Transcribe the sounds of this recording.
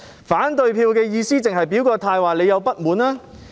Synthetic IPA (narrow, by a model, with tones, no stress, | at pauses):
faː˨˥nt̪ɵ˨˧ɥpʰiː˧wkɛː˧jiː˧siː˥t͡sɪ˨ŋɦɐ˨jpiː˨˥wkɔː˧t̪ʰaː˧jwaː˨˩le˨˧jɐ˨˧wpɐ˥t̚muː˨˥naː˥